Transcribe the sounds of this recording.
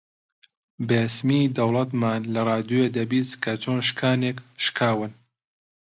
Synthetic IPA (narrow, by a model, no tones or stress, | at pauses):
besmid̪ɐwlˠɐt̪maːnlɐrˤɑːd̪ued̪ɐbiːskʰɐt͡ʃʰoːnʃkʰaːnekʃkʰaːwɨn